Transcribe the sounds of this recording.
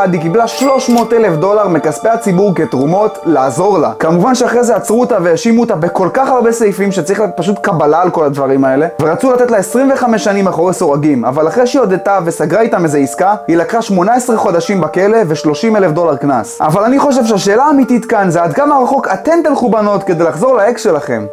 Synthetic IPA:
ad̪ikiblaʃlo̞ʃmo̞t̪e̞le̞fd̪o̞laʁmekaspeat͡sibuʁket̪ʁumo̞tlaːzo̞ʁla̰kamuvanʃeaχʁezeat͡sʁut̪avejaʃimut̪abeko̞lkaχaʁbe̞sejfimʃet͡saʁilajet̪paʃ̬utkabalaːlko̞lad̪vaʁimae̞le̞ve̞ʁat͡sulat̪etlaesʁimve̞χame̞ʃːanimaχoʁesoʁaɡima̰valaχʁejʃiod̪et̪ave̞saɡʁait̪amezeiskahilakχaʃmo̞naesʁeχo̞d̪aʃimbake̞le̞veʃlo̞ʃimelefd̪o̞laʁknasa̰valaniχo̞ʃ̬e̞vʃ̬eaʃe̞ːlaːmitit̪kanzead̪kamaʁaχo̞kat̪e̞mt̪alχubano̞t̪ked̪elaχzo̞ʁlaeksʃe̞laχḛm

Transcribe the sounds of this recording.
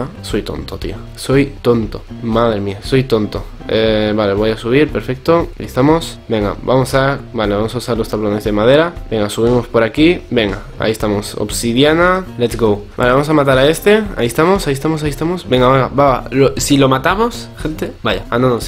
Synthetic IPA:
sojt̪o̰nt̪ot̪ḭa | so̞jt̪o̞nt̪omaðɾemiaso̞jt̪o̞nt̪o | eβale̞β̞o̞jasuβ̞iɾpe̞ɾfek̚t̪oa̰ʔḭst̪amo̞sbe̞ŋɡa̰bamosabale̞βamo̞sausaɾlost̪aβlone̞zðe̞mað̞e̞ɾabẽ̞ŋɡasuβ̞imo̞spoɾakibe̞ŋɡa | a̰iest̪amo̞so̰psiðjanalet̪sɡowba̰leβamo̞samat̪aɾae̞st̪ea̰iest̪amo̞saiest̪amo̞s̬aist̪amo̞sbe̞ŋɡaβeŋɡa̰baβa̰losilo̞mat̪amosxẽ̞nt̪ebaʝaand̪anos

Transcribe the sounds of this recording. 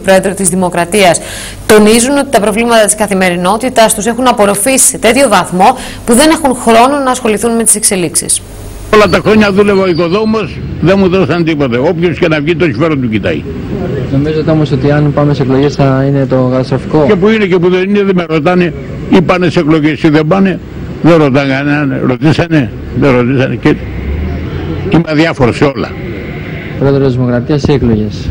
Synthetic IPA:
pɾo̞e̞ðɾot̪izðimo̞kɾɐt̪iɐs | t̪o̞nizuno̞t̪i̥t̪ɐpɾo̞vlimɐt̪ɐt̪i̥skɐθime̞ɾino̞t̪it̪ɐst̪use̞xunɐpo̞ɾo̞fisi̥se̞t̪e̞t̪ço̞vɐθmo̞ | puðe̞ne̞xunxɾo̞nonɐːsxo̞liθunme̞t̪i̥se̞kse̞liksḭs | olɐt̪ɐxɾo̞ɲɐðule̞vɐoikoðomosðenmuðosɐnt̪ipot̪ɐo̞pçoscenɐvʝit̪osifeɾot̪ucit̪ɐ̰jnomizet̪eomosot̪iɐnpɐmeseeklo̞ʝesθɐinet̪okɐt̪ɐst̪ɾofikocepuinecepuðenineðemeɾot̪ɐne | ipɐnesekloʝesiðebɐne̞ | ðeɾo̞t̪aɡɐnɐnḛɾot̪isɐne | ðeɾot̪isɐnece | t̪imɐðjɐfoɾoseo̞lɐ̰ | pɾoeðɾozðimokɾɐt̪iɐsiekloʝes

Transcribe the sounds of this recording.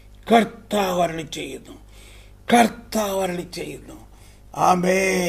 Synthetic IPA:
kɐɾt̪aːʋɐɾnit͡ʃejɾnu | kɐɾt̪aːʋɐɾnit͡ʃejiɾnu | aːmeː

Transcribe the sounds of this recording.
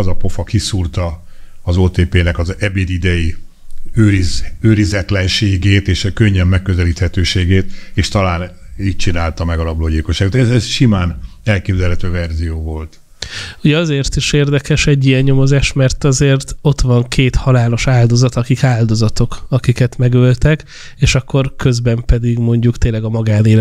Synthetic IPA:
ɒzɒpo̞fɒkisuːrt̪ɒːzoːt̪eːpeːnɛkɒzɛbeːd̪id̪ɛji | øːɾizøːɾizɛt̪lɛnʃeːɡeːt̪eːʃɛkøɲːɛmːɛkːøzɛliːt̪hɛt̪øːʃeːɡeːt̪eːʃt̪ɒlaːniːc̚t͡ʃinaːlt̪ɒmɛɡɒlɒbloːɟilkoʃːaːɡot̪ɛzɛsʃimaːnɛlkeːbzɛlɦɛt̪øːvɛrzijoːvo̞lt̪ | uɟɛɒzeːrt̪iʃeːrd̪ɛkɛʃɛɟːiɛɲːo̞mo̞zaːʃmɛrt̪ɒzeːrt̪o̞t̪ʋɒŋkʰeːt̪hɒlaːlo̞ʃaːld̪o̞zɒt̪ɒkikaːld̪o̞zɒt̪o̞kɒkikɛt̪mɛɡølt̪ɛk | eːʃɒkʰːo̞rkø̞zbɛmpɛd̪iɡmo̞ɲɟukt̪eːnlːɛɡɒmɒɡaːneːl

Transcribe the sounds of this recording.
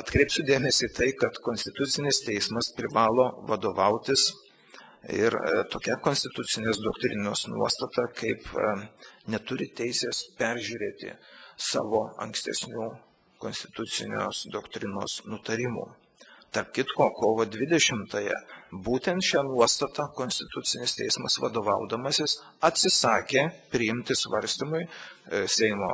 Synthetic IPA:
ɐt̪kɾʲɛɪpsʲʊd̪ʲeːmʲɛsʲiːt̪ɐɪkɐt̪koːnʲsʲt̪ʲɪt̪ʊt̪sʲɪnʲɪst̪ʲɛɪsmɐspʲɾʲɪʋɑːlˠoːʋɐd̪oːʋɐʊt̪ʲɪs | ɪ̰ɾt̪oːkʲækoːnʲsʲt̪ʲɪt̪ʊt͡ssʲɪnʲeːsd̪oːkt̪ʲɾʲɪnoːsnṵɔst̪ɐt̪ɑkɐɪp | nʲɛt̪ʊɾʲɪt̪ʲɛɪsʲeːspʲɛɾʲʒʲuːɾʲeːt̪ʲɪ̰sɑ̰ːʋoːɐ̰ŋksʲt̪ʲɛ̰sʲnʲuː | konsʲt̪ʲɪ̥t̪ʊt̪sʲɪ̰nʲo̰ːsd̪oːkt̪ʲɾʲɪno̰ːsnʊt̪ɐɾʲɪmṵː | t̪ɐrp̚kʲɪt̪koːkoːʋoːd̪ʲʋʲɪd̪ʲɛʃʲɪmt̪ɐjɛ̰buːt̪ʲɛnt̪ʃʲæːnuɔst̪ɐt̪ɑkoːnʲsʲt̪ʲɪt̪ʊt̪sʲɪnʲɪst̪ʲɛɪsmɐsʋɐ̰d̪oːʋɐʊd̪ɐmɐsʲɪs | ɐt̪ʲsʲɪsɑːkʲeːpʲɾʲɪjɪmʲt̪ʲɪsʋɐɾʲsʲt̪ʲimʊɪsʲɛɪmo̰ː

